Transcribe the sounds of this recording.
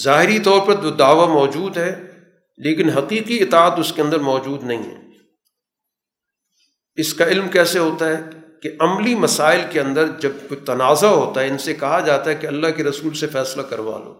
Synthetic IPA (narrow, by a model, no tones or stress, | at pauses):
zaːɦɪɾit̪ɔːɾpɐɾd͡ʒoːd̪aːʋamɔːd͡ʒuːd̪ɦɛː | leːkɪnɦɐqiːqiɪt̪aːt̪ʊskeɐ̃nd̪əɾmɔːd͡ʒuːd̪nɐɦḭ̃ɦɛ̰ | ɪskaɪlmkɛːseɦoːt̪aɦɛkeʔɐmlimɐsaːɪlkeɐ̃nd̪əɾd͡ʒɐb̚kot̪ɐnaːzaɦoːt̪aɦɛɪnsekɐɦad͡ʒaːt̪aɦɛkeɐlːaɦkeɾɐsuːlsefɛːslakɐɾʋa̰ːlo̰ː